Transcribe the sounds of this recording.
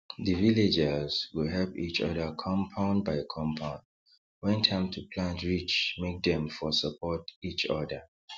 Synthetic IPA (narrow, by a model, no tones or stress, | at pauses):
ðəviled͡ʒɛzwuɦɛlpit͡ʃɔ̰dəkʰɔ̃mpʰãʊ̃ndbaɪkʰɔ̃mpʰãʊ̃nd | wɛ̃ntʰãɪ̃mtʰupʰlãntɹit͡ʃmek̚dɛ̃mfɔsəpʰɔtit͡ʃɔdə